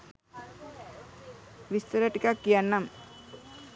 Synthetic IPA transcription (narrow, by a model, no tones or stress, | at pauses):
ʋist̪uɾaʈikakːijanːam